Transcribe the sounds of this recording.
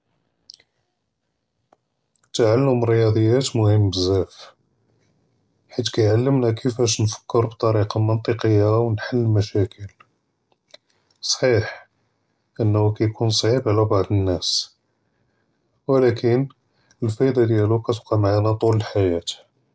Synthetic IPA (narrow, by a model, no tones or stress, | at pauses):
t̪aʕalːəməɾjɑd̪ˤəjːæt̪mʊhəmːbəzːæf | ħit̪̬ːkæjʕalːəmnækʰəfæʃnfə̥kːəɾbt̪ˤɑɾiqɑmənt̪ˤəqəjːawnħalːmæʃækʰəl | sˤħiħ | ʔənːkæjkunsˤʕibʕlæbɑʕd̪ˤənːæs | wlækən | əlfæjd̪ˤɑd̪jælukæt̪qɑmaʕanæt̪ˤuləlħajæt̪